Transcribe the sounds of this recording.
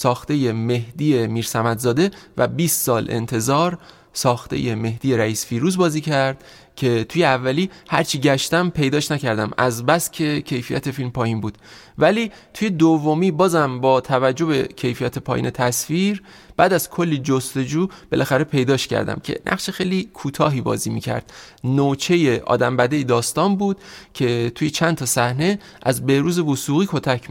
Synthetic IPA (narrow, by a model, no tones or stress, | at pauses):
sɒːxt̪e̞je̞me̞hd̪ije̞miːɾsæmæd̪zɒːd̪e̞væ̰biːst̪sɒːle̞̰nt̪ʰe̞zɒːɾ | sɒːxt̪ḛjeme̞hd̪̥ije̞ɾæiːsfiːɾuːzbɒːziːcʰæɾd̪̥̚ | cʰe̞t̪ʰuːjeævːæliːhæ̰ɾt͡ʃʰiːɟæʃt̪æmpʰe̞jd̪ɒːʃnæcʰæɾd̪æmæzbæscʰe̞cʰe̞jfijæ̰t̪ʰe̞filmpʰɒːjiːnbuːd̪̥væli | t̪ʰuje̞d̪ovːomiːbɒːzæmbɒːt̪ʰævæd͡ʒːo̞be̞̰cʰe̞jfijæt̪ʰe̞pʰɒːjḭːnʔe̞t̪ʰæsfiɾ | b̥æːd̪æz̥kʰo̞lːid͡ʒost̪e̞d͡ʒuːb̥e̞lʔæxæɾe̞pʰe̞jd̪ɒːʃcʰæ̰ɾd̪æ̰mcʰe̞̰nʔæ̰χʃexejlikʰuːt̪ʰɒːɦiːbɒ̰ːziːmiːcʰæ̰ɾd̪̥not͡ʃʰe̞je̞ʔɒ̰ːd̪æmbæd̪ejed̪ɒːst̪ɒːnbuːd̪̥cʰe̞t̪ʰujet͡ʃʰænt̪ʰɒːsæhne̞ | ʔæzbe̞hɾuːze̞vosuːɣiːkʰo̞t̪ʰækʰm